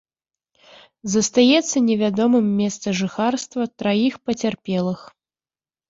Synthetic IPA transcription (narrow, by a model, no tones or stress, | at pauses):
zɐst̪ajɛt̪sːɐnʲɛvʲad̪ɔmɨmːʲɛst̪sɐʐɨxarst̪vɐt̪ɾajixpɐt͡sʲarpʲɛlˠɨx